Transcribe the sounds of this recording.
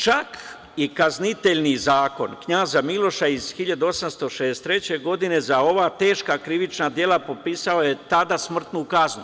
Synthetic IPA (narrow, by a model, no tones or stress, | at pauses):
t͡ʃak | ikaznit̪e̞ʎnizaːko̞nkɲaːzamilo̞ʃaiz̥xiʎad̪uo̞samst̪o̞ʃed̪est̪ɾe̞t͡ɕe̞ɡo̞d̪ine̞zao̞ʋaːt̪e̞ːʃkakɾiʋit͡ʃnad̪je̞lˠapo̞piːsaoje̞t̪ad̪asmr̩t̪nukaznu